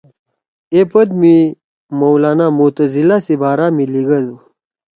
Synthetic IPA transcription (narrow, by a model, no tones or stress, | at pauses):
epɐd̪mi | mɐwlaːnamut̪ɐzilasibaːɾaːmiliɡɐdu